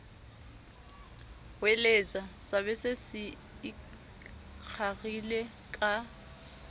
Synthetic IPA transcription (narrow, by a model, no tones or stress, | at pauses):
welet͡sʼasaβɛsɪsɪ | k͡xʰaɣile | kʼa